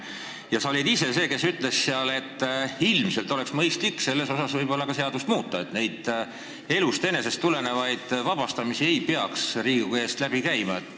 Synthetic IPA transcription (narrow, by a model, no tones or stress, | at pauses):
jɑsɑolʲid̪̥ise̞se̞ːke̞syt̪ˑle̞sseɑle̞t̪ːˑilmselt̪ˑo̞le̞ksmɤjst̪likːse̞lːe̞so̞sɑsvɤjbo̞lːɑkɑse̞ɑd̪ust̪muːt̪ːˑɑe̞t̪ne̞jd̪̥ | e̞lust̪e̞ne̞se̞st̪ːule̞ne̞vɑjd̪̥vɑb̥ɑst̪ɑmisie̞jpeɑksriːɡue̞ːst̪læb̥ikæjmɑet̪ː